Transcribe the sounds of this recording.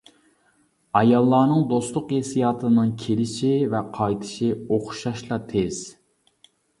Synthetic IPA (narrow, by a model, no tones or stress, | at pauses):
ɑjɑlˠːɑːnɨŋd̪ost̪lˠʊqjesijɑːt̪ʰɨnɨŋkʲʰelɪʃivɛqʰɑjt̪ʰɪ̥ʃioχʃɑʃlˠɑt̪ʰez̥